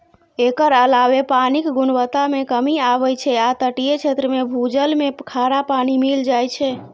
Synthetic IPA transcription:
ekəɾəlaʋepanikɡunʋət̪amekəmiaʋət͡ʃʰɛat̪əʈijet͡ʃʰet̪ɾəmebʱud͡ʒəlmekʰaɾapanimild͡ʒajt͡ʃʰɛ

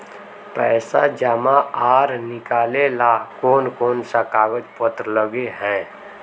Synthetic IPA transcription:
pɛːsad͡ʒamaaːɾnɪkaːlelakoːnkoːnsakaːwət͡ʃpət̪ɾləɡeɦɛ̃ː

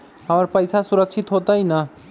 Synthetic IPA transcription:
aːɾpəjsasʊɾəkʃʰɪt̪ɦoːt̪aina

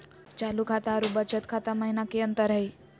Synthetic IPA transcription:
t͡ɕalukʰat̪aːɾubət͡ɕət̪kʰat̪aməɦinakeənt̪əɾɦai

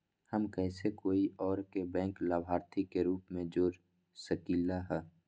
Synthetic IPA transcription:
həmkɛːsekoːiʔɔːɾkebɛ̃ːŋklaːbʱaːɾt̪ʰikeɾuːpmẽd͡ʒoːɾ | səkiːlaɦɛː

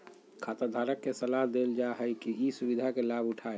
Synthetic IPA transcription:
kʰaːt̪əɾd̪ʱaːɾəkːesəlaɦd̪eld͡ʒaɦəikiisubid̪ʱakelabʊʈʰaːe

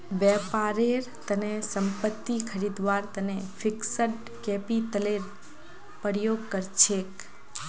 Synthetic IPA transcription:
ʋɛpaɾeɾt̪ənesəmpət̪ːikʰəɾid̪ʋaɾt̪ənefʰɪksəɖ | kepit̪əleɾ | pəɾjoɡ̚kəɾt͡ʃʰek

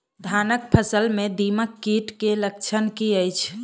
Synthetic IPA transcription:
d̪ʱanək̚pʰəsəlmed̪iməkːiʈkelək̚t͡ʃʰənkiəjt͡ʃʰ

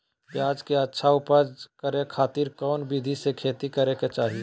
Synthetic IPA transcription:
kiaːd͡ʒkeətːʃʰaʊpəd͡ʒkəɾekʰaːt̪iːɾkɔːnbid̪ʱisekʰeːt̪ikəɾeket͡ʃaːɦie

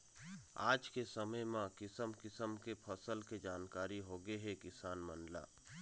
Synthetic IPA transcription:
a̰ːd͡ʒkesəməjmãkɪsəmkɪsəmkepʰəsəlked͡ʒaːnkaːɾiɦoːɡeɦɛkɪsaːnmə̃nla̰ː

